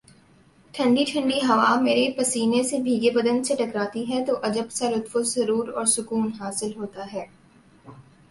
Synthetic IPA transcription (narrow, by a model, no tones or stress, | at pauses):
ʈʰɐ̃ɳɖiʈʰɐ̃ɳɖiɦɐʋameːɾepɐsiːnesebʱiːɡebɐd̪ə̃nd̪seʈɐkɾaːt̪iɦɛt̪oʔɐd͡ʒəbsaɾʊt̪fozɐɾuːɾɔːɾsʊkuːnɦaːsɪlɦoːt̪aɦɛː